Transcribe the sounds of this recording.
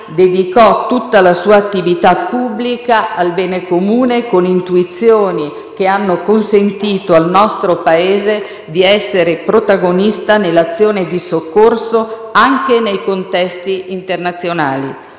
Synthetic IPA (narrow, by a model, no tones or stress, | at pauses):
d̪ed̪ikɔt̪ut̪ːalasuːaːt̪ːivit̪apːubːlikaʔalbɛːnekomuːnekonint̪uit̪sːjoːni | k̟eanːokonsent̪iːt̪oalnɔst̪ɾopaeːze | d̪iɛsːeɾepɾot̪aɡonist̪anelːat̪sːjoːned̪isokːorso | aŋkenejkont̪ɛst̪iːnt̪ernat̪sːjonaːlḭ